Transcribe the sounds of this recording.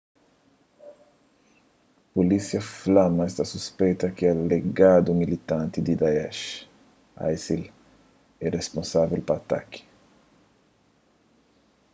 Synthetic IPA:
polisjɐflamɐest̪asuspejt̪ɐkɪɛleɡad̪umilit̪ãnt̪id̪id̪aɛʃ | a̰jsil | ɛrespõnsavelpaːt̪a̰ki̥

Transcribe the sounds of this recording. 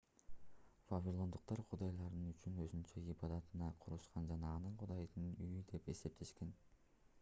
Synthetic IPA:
vavʲilˠo̞nd̪uq̚t̪ɑɾqʰʊd̪ɑjlˠɑɾɯnyt͡ʃynøzynt͡ʃeibɑd̪ɑt̪ɯnɑqʰʊɾuʃqɑnd͡ʒɑnɑːnɯɴqʰʊd̪ɑjd̪ɯnyjyd̪e̞pe̞se̞p̚t̪ʰe̞ʃkʲe̞n

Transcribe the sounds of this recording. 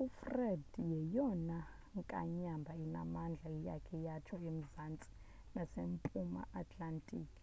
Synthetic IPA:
ufrɛdjɛjɔna | ŋkʼa̰ɲambʱaina̰mand͡ɮʱaija̰kʰɛjat͡ʃʰɔem̩zant͡sʼi̥ | nasempʼuma̰ʔatʼlantʼiːkʼi̥

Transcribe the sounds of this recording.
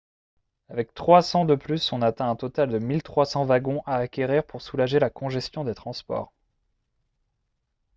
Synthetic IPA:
avɛk̚t̪χwasɑ̃d̪əplysɔ̃nat̪ɛ̃ɛ̃t̪ɔt̪ald̪əmilt̪χwasɑ̃vaɡɔ̃ʔaːkʲeʁiʁpuʁsulaʒelakɔ̃ʒɛst̪jɔ̃d̪et̪χɑ̃spɔ̰ːʁ

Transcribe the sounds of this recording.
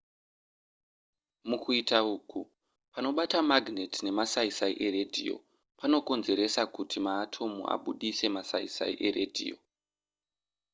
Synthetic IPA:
mukuitauːku | pano̞ɓatamaɡnetine̞masaisaiʔe̞ɾe̞dʱḭjo̞̰ | pano̞ko̞nze̞ɾe̞sakutʰimaːtʰo̞mṵʔa̰ɓuɗise̞masaḭsa̰ḭʔe̞ɾedʱḭjo̞̰

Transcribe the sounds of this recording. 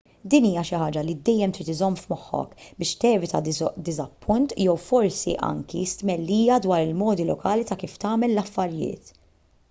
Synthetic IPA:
d̪iːniːjɐʃɪħɐːd͡ʒɐlid̪ɛjːɛmt̪ɾiːt̪ɪzɔmːfmɔħːɔ̰kbɪːʃt̪ɛːvɪt̪ɐd̪ɪzɐpːʊnt̪jɛwfɔɾsḭʔɐ̰ŋkist̪mɛlːiːjɐd̪wɐːɾɪlmɔːd̪ilɔkɐːlit̪ɐkiːft̪ɐːmɛlːɐfːɐɾjɪ̰ːt̪

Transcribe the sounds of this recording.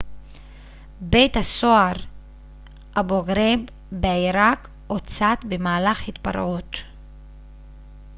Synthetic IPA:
be̞jt̪hasoaʁ | aboɡɾebː | eaiɾak | ot͡sat̪bemaːlaχhit̪pa̰ɾʔut

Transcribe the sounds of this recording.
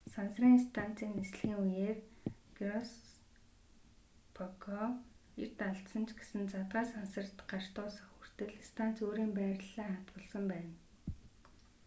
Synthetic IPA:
sansriːŋist̪ʰan̥t͡siːnːesɮxiːŋujeːrɡ̥rɔs | pʰɔkʰɔḛr̥t̪aɮt̪sə̆nt͡ɕʰɡe̥sɘ̆nt͡sat̪ʁaːsansə̆rt̪ɢar̥t̪ʊːsə̆xur̥t̪ɘ̆ɮst̪ʰan̥t͡soːɾiːmpæːrɮaːχat̪pə̆ɮsə̆mpæːn

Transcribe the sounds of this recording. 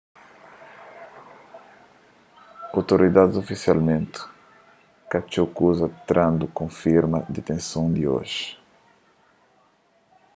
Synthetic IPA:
awt̪oɾid̪ad̪ɪzofisialmẽnt̪ʊ̥ | kat͡ʃokuzɐt̪ɾãnd̪ʊkõfiɾmɐd̪et̪ẽsõw̃d̪io̰ʒɪ̥

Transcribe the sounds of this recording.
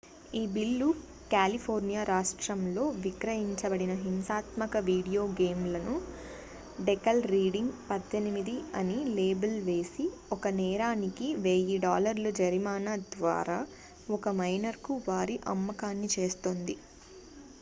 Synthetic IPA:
iːbilːu | kaːlipʰoːɾnijaːɾaːʂʈɾɐmlo̞ːʋikɾɐjiɲt͡ʃɐbɐɽinɐɦimsaːt̪mɐkɐʋiːɽijo̞ːɡeːmlɐnu | ɖɛkɐlɾiːɖiŋɡpɐd̪ʱːenimid̪iɐnile̞ːbɐlʋe̞ːsiɔkɐnɛːɾaːnikiʋe̞ːjiɖaːlɐɾlud͡ʒɐɾimaːnaːd̪ʋa̰ːɾaː | ɔkɐmɐjnɐɾkuʋaːɾiʔɐ̰mːɐkaːnːit͡ʃe̞ːst̪oːnd̪i

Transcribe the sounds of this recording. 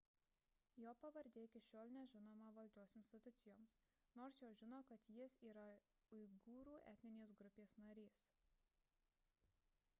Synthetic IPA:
joːpɐʋɐɾʲd̪ʲeːkʲɪʃʲoːlʲˠnʲɛʒʲɪnoːmɐʋɐlʲd͡ʒʲoːsɪnʲsʲt̪ʲɪt̪ʊt̪sʲɪjoːms | noːɾsjoːʒʲɪnoːkɐt̪jɪsiːɾɐ | ʊɪɡuːɾuːɛ̰t̪ʲnʲɪnʲeːs̬ɡɾʊpʲeːsnɐɾʲiːs

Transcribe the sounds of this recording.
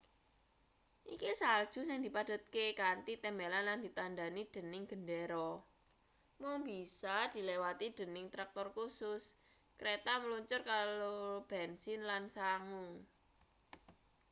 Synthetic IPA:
ʔikisald̥ʒ̥ṳsɪŋd̪i̤pad̥ʊ̤t̪̚kekant̪it̪ɛmbelanland̪̥it̪andanid̪̥ə̤nɪŋɡ̥ə̤ndeɾɔ | mʊŋbisad̪̥i̤lewat̪id̪̥ə̤nɪŋt̪ɾak̚t̪ɔrkusʊs | kɾet̪aməluɲt͡ʃʊrkalob̥ɛnsɪnlansaŋʊŋ

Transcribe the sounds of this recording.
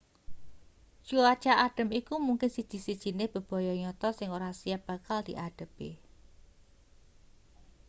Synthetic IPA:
ʒ̥uat͡ʃaʔaɖ̥ə̤mikumuŋkɪnsid̥ʒ̥i̤sid̥ʒ̥i̤nɪhb̥ə̤b̥ɔ̤jɔɲɔt̪ɔsɪŋoɾasiab̥a̤kald̪̥iʔaɖ̥ə̤b̥e

